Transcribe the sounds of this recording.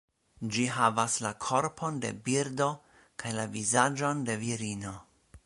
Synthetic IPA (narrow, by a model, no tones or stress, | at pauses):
d͡ʒiɦavaslakʰo̞ɾpʰo̞nde̞̰biɾdo̞ | kʰajlavizad͡ʒo̞nde̞viɾino̞